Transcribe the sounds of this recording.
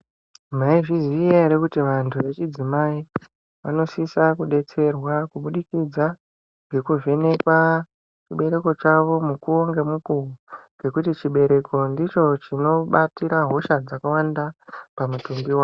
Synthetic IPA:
m̤aiʐizijeɾekutiʋantʰuʋe̞t͡ʃid͡zimai | ʋano̞sisakuɗe̞t͡se̞rwakuɓuɗikid͡za | ɡekuve̞ne̞kwa | t͡ʃiɓe̞ɾe̞ko̞t͡ʃaʋo̞mukuoŋɡemukuuɡe̞kutit͡ʃiɓe̞ɾe̞ko̞ndit͡ʃo̞t͡ʃino̞ɓatiɾaɦo̞ʃad͡zakawandapamutumbiwaːo

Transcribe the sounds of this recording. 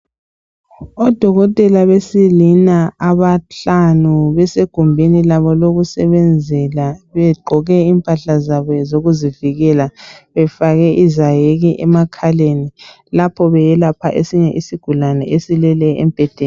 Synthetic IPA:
ɔd̥ʱɔɣɔtʼɛlaβesilinaaβaɬanuβɛseɡ̥ʱumbʱenilaβɔloɣusɛβɛnd͡zʱɛlaβɛɡ͡ǃʱɔɣɛiːmpʼaɬazaβɔɛzoɣuziviɣɛlaβɛfaɣɛʔizajeɣiʔɛmakʰaleni | lapʰɔβɛjɛlapʰaʔesiɲɛʔisiɡ̥ʱulanɛʔesilɛlɛɛ̰mpʼɛd̥ʱeːn

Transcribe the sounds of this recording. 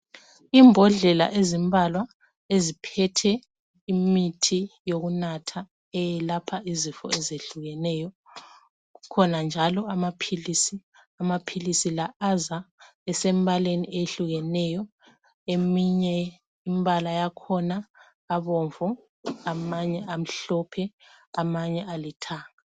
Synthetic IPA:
imbʱɔɮɛla̰ʔezimbʱalwa | ezipʰɛtʰɛ | imitʰijoɣunatʰa | ɛjɛlapʰaʔizifɔ̰ɛzeɬuɣɛnɛjɔ | ɣukʰɔnand͡ʒʱalɔamapʰilisi | amapʰilisilaaza | ɛsembʱalenḭʔejɬuɣɛnɛjɔ | emiɲɛ | imbalajakʰɔnaː | βɔɱvɔ | amaɲɛam̩ɬɔpʰɛ | amaɲɛalitʰaːŋa

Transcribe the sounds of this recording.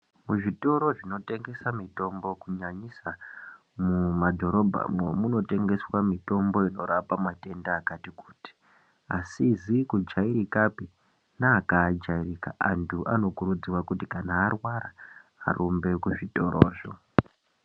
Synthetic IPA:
muʐito̞ɾo̞ʐino̞te̞ŋɡe̞samito̞mbo̞kuɲaɲisa | mumadʱo̞ɾo̞bʱa̰momuno̞te̞ŋɡe̞swamito̞mbo̞ino̞ɾapamate̞ndaːkatiku̥ːti̥ | asizikud͡ʒaiɾikapi | naːkaːd͡ʒairika̰ʔantʰuʔano̞kuɾud͡ziwakutikanaːrwaɾa̰ːrumbe̞kuʐito̞ɾʔo̰ːʐo̰

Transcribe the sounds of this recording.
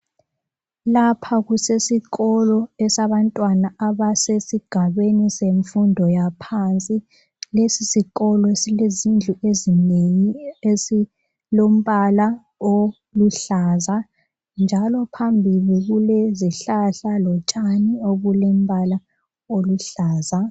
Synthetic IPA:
lapʰaɣusesiɣɔlɔɛsaβantʼwanaaβasesiɡ̥ʱaβeniseɱfundʱɔjapʰant͡sʼi | lesisiɣɔlɔesilezind͡ɮʱuezinejiesi | lom̩βala | o | luɬaza | nd͡ʒʱalɔpʰambʱiliɣuleziɬaɬalɔt͡ʃʼanioɣulem̩βala | oluɬaːza

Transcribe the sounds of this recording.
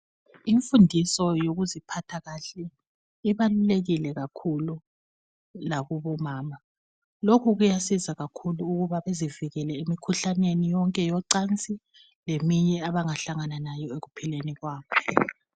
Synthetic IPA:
iɱfundʱisɔjoɣuzipʰatʰaɣaɬɛ | iβaluleɣilɛɣakʰulu | laβuβɔmaːma | lokʰuɣujasizaɣakʰuluːɣuβaβeziviɣɛlɛimikʰuɬanwenijɔŋkʼɛjɔǀant͡sʼi | lemiɲɛaβaŋaɬaŋananajɔeɣupʰileniɣwaːkʰɔ

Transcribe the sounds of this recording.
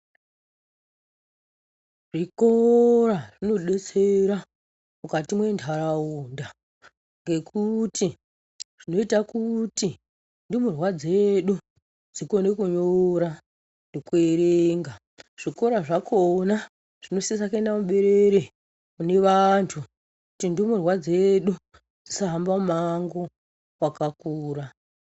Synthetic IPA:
ʐikoɾaʐino̞ɗe̞t͡seɾa | mukatimwe̞ndʱaɾaunda | ŋɡe̞kʰuti | ʐ̥ino̞itakuti | ndimurwad͡zeɗu | d͡ziko̞nekuɲoɾa | nekue̞ɾeeŋɡa | ʐ̥iko̞ɾaʐakona | ʐ̥inosiesake̞ndamuɓe̞ɾeɾe | une̞ʋantʰu | kutindomurwad͡ze̞ɗu | d͡zisaɦambamumaŋɡo̞ | wakakuːɾa

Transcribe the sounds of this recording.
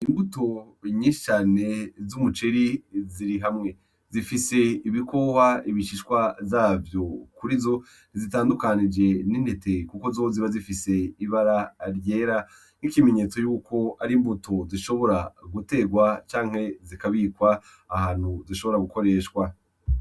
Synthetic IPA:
imbuto̞ | ɲĩːʃi̥t͡ʃaːne̞zumut͡ʃeɾiziɾiɦamŋe̞ | zifise̞iβikowaiβiʃiʃkwazaːvjo̞kuɾizo̞ | nizitaːndukanid͡ʒe̞ninde̞te̞kukozoziβazifise̞iβaɾaɾjeːɾa | nikime̞ɲet͡so̞juːkʰo̞aɾimbutoziʃo̞βo̞ɾaɡute̞ɡwat͡ʃaːŋ̥he̞zikaβikwaː | haːn̥huziʃo̞βo̞ɾaɡuko̞ɾe̞ːʃkwa

